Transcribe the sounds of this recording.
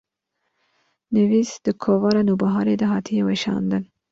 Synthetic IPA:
nɪvisd̪̥ɨkʰoːvɑɾanubɑɦɑːɾed̪ɐɦɑːt̪ʰijeweʃɑ̰ːnd̪ɨn

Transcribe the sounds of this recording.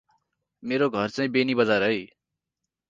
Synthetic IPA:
meɾoɡʱʌrt͡saĩbenibʌd͡zaɾʌj

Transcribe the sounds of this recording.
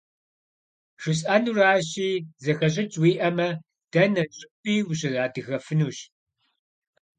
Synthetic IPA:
ʂʷʊɕ̬ʼɐnuraːɕiːzɐxɐɕ̬ʼɪt͡ʃʼwiːʔɐmɐ | d̥ɐnɐɕʼɪpiːwuɕɐzaːdɨxɐfɨnuːɕ

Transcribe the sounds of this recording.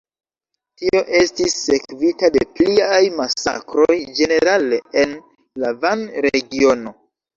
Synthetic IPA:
tio̞ʔe̞stisːe̞kvitade̞pliajmasa̰kɾojd͡ʒe̞ne̞ɾaleen | lavanɾeɡio̞no̞

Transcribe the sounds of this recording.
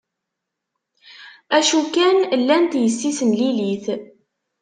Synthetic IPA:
æʃukænlːænt̪jəsːisənliliθ

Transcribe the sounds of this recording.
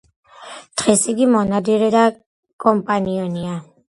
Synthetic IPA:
d̪̥ʁɛsiɡimɔnad̪iɾɛd̪a | kʼɔmpʼaniɔnia

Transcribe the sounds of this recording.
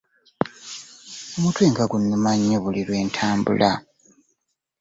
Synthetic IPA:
omutweːŋɡaɡunːumaɲːoβuliɾwe̞ːntʰaːmbṵlʔa̰

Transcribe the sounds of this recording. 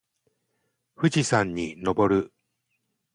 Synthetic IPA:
ɸɯ̟d͡ʑisãɲːino̞bo̞ɾɯ

